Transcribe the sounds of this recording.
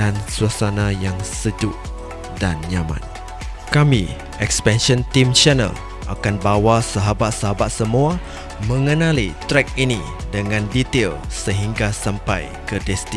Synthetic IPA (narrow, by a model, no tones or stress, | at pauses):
ansuasanajaŋsəd͡ʒuʔ | danɲamã̰n | kami | ɛkspɛnʃɔ̃nt̪imt͡ʃɛnə̰l | ʔa̰kanbawasaɦabat̪̚saɦabat̪̚səmua | mə̃ŋənãlit̪ɾɛk̚ini | dəŋãndit̪elsəɦiŋɡasampaj | kədɛst̪i